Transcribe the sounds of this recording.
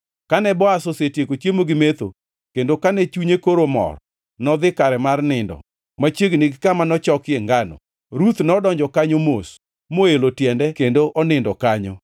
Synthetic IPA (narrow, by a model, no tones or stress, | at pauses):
kanɛbɔasosetjekot͡ʃjemoɡɪmet̪o̰ | kendokanɛt͡ʃuɲekoɾomɔ̰r | nɔd̪ɪkaɾɛmarnɪndɔ̰ | mat͡ʃjeɡniɡɪkamanɔt͡ʃɔkɪeŋɡanɔ̰ | ɾut̪nɔdɔɲd͡ʒɔkaɲomos | moelotjɛndɛkendoʔɔnɪndɔkaɲo